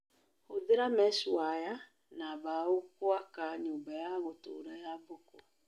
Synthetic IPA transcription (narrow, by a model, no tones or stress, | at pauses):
oðeɾamɛʃwaja | naβaokwakaɲoːbajaɣoto̰ːɾajabɔkɔ